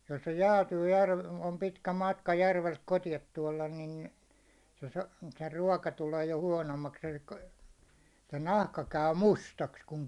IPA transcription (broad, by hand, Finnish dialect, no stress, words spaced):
jos se jæːtyː jærʋ om pitkæ mɑtkɑ jærʋelt kotiɑt tuɒlɑn nin̞ se sɑ̥ se ruɒkɑ tuleː jo huɒnomːɑks e̥l̥i̥kːɑ̥ se nɑhkɑ kæy mustɑks kuŋ